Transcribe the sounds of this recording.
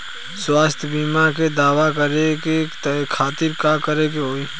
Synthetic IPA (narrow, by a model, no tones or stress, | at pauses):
swaːst̪ʰjbiːmaɾked̪aːʋakəɾekekʰaːt̪ɪɾkaːkəɾekeɦoːiː